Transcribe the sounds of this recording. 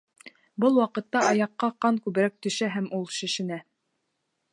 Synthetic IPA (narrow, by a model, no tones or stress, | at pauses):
bɤlˠwɑqɤ̆t̪ːɑʔɑjɑqːɑqːɑŋkʉβɘ̆ɾæk̚t̪ɵ̆ʃæɦæmulˠʃɘ̆ʃɘ̆næ